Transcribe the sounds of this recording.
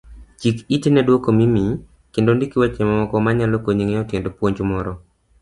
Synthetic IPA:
t͡ʃikitenɛdwokomimi | kendondikiwɛt͡ʃemamɔkɔmaɲalokoɲiŋeɔtendopwoɲd͡ʒmɔɾɔ

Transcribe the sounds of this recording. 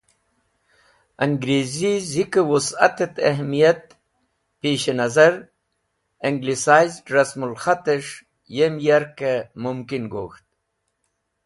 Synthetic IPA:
ɐŋɡɾezizikewusɐ̰t̪et̪ɐ̰ɦmijɐt̪ | peːɕenɐzɐɾ | eŋɡlisaːjzɖɾasmulxat̪eʂ | jemjaɾkemumkinɡo̰ːxt̪̚

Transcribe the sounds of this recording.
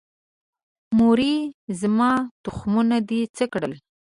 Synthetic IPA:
muɾizmɑt̪ʊxmunad̪it͡səkɽə̰l

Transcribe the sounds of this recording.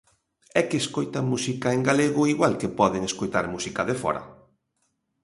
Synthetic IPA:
ɛkɪːskojt̪amusikaeŋɡaleɣʊiɣwalkepɔðeŋeskojt̪aɾmusikɐðefɔ̰ɾɐ̰

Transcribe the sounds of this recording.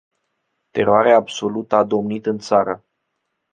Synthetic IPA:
t̪e̞ɾoaɾeaːbso̞lut̪əad̪o̞mnit̪ɨnt̪saɾə

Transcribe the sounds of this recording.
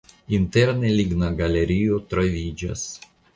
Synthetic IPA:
int̪ɛɾnelʲiɡnaɡalʲeɾʲijot̪ɾavʲid͡ʒa̰s

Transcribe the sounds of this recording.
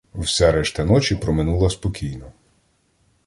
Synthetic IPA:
wsɛɾɛʃt̪ɐnɔt͡ʃʲipɾɔmɪnulˠɐspɔkʲijnɔ

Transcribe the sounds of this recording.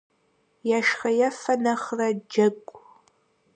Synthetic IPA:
jaːʃxɐjɐfɐnɐχrɐd͡ʒɐkʷʼ

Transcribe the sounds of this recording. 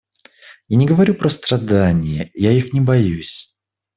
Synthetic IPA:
janʲɪɡəvɐɾʲupɾəst̪ɾɐd̪anʲɪjəjaixnʲɪbɐjusʲ

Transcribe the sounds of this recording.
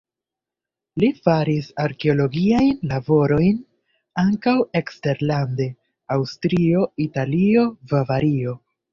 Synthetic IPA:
lifaɾisaɾke̞o̞lo̞ɡiajnlabo̞ɾo̞jn | aŋkawe̞kste̞ɾlande̞ | awstɾio̞italio̞vavaɾio̞

